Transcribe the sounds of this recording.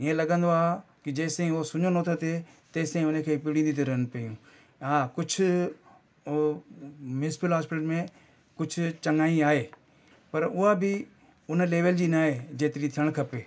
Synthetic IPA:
ɪẽlɐɡə̃nd̪oaːkɪd͡ʑɐːsẽĩʊɦosʊɲonoːt̪ʰot̪ʰe | t̪ɐːsẽĩʊnəkʰeːpɪɽĩːnd̪it̪ʰeɾɐɦəɽ̃ñʊpɐjũ | ɦakʊd͡ʑʱʊ̆ | mjʊsɪ̥pɪəlɦaːspɪʈəʈmẽ | kʊd͡ʑʱʊ̆t͡ɕɐŋaːĩaːɦeː | pɐɾʊɦabɪ | ʊn̆leːʋəld͡ʑiːnaːɦed͡ʑeːt̪ɪɾit̪ʰiəɽ̃kʰɐpeː

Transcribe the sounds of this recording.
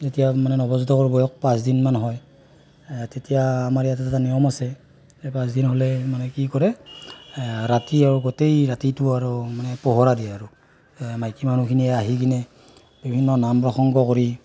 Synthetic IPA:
zetijamanɛnɔbɔzutɔkɔɹbɔjɔk̚pãs̬dinmanɦɔj | tetijaːmaɹijatɛtatanijɔmasɛ | ɛpãsdinɦolɛmanɛkikɔɹɛ | ɹatiaɹuɡotejɹatituaɹumanɛpɔɦɔɹadiɛaɹu | majkiman̤ukʰiniɛaɦikinɛ | bibʱinːɔnampɹɔxɔŋɡɔkoɹi

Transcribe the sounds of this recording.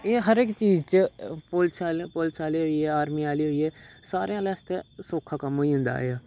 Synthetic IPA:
eːɦəɾɪkt͡ʃiːzt͡ʃpʊlt͡ʃaːlpʊlsaːleːɦoiɛːaːɾmiːaːliːɦoiɛːsaːɾejãːlɛːst̪ẽːsoːkʰːaːkəmoːiːɦʊ̃nd̪a̰ːɦeaː

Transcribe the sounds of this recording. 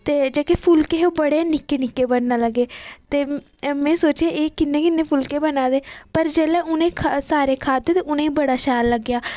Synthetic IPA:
t̪eːd͡ʒeːkepʰʊlkeːɦoːbəɽeːnɪkːeːnɪkːeːbəɽnaːləɡːeːt̪eːmɛ̃ːsoːt͡ʃeːʔeːkɪnːẽːkɪnːeːpʰʊlkeːbənãːd̪eːpəɾd͡ʒɛːlɛːʊnẽːkʰsaːɾeːkʰaːd̪eːt̪eːʊnẽːiːbəɽaːʃaːlləɡːjaː

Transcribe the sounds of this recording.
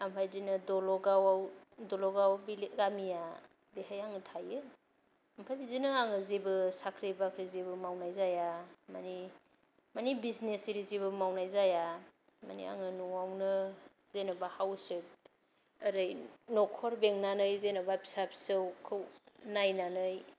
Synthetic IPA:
ampʰajdinɯdɔlɔɡawawdɔlɔɡawbiɡamija | beɦajaŋɯtʰajɯ | ampʰajbizinɯaŋɯzibɯsakʰɾibakʰɾizibɯmawnajzajamani | manibiznesiɾiziβɯmawnajzaja | ma̰nḭa̰ŋɯnuawnɯ | z̥enɔbahawsɯb̚ | aɾɯjnɔkʰɔɾbeŋnanɯjzenɔbabisapsɯwkʰɯwnajnanɯj

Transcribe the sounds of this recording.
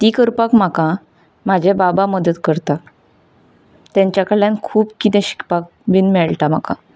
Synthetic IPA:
t̪iːkəɾpakm̤akã | m̤ad͡ʑʱebabaməd̪ət̪kəɾt̪a | t̪jãɲt͡ɕjakəɭjãnkʰuːpkit̪ɛ̃ɕi̥kʰpak̚ | ʋinmɛɭʈam̤aka

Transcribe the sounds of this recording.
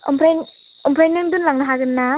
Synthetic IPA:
ɔ̰mpʰɾajn | ɔmpʰɾajnːɯŋdunlaŋnaɦaɡɯnːa

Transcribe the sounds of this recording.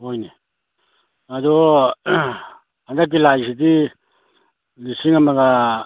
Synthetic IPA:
ojne | ad̪o | and̪ak̬ilais̬it̪i | lisiŋamaɡa

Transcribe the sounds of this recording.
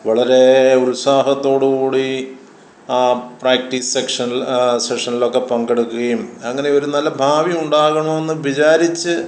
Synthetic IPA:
ʋɐɭɐɾe̞uɾusaːɦɐt̪ːo̞ːɽukuːɽi | praːk̚ʈissekʂɐnilsekʂɐnilo̞kːe̞pɐŋɡeɽukːuɣɐjumɐŋːɐne̞o̞ɾunɐlːɐbʱaːʋiuɳɖaːɣɐɳome̞nːɨʋit͡ɕaːɾit͡ɕːɨ

